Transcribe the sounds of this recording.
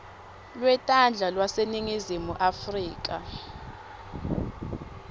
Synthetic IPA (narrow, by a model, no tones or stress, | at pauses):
lwɛtʼand͡ɮʱalwaseniŋizimuʔafriːk̬ʼa̰